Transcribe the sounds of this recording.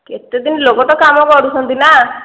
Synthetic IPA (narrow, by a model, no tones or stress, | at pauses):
ket̪ed̪inilokɔʈɔkamɔkɔɽut̪ʰɔnt̪ina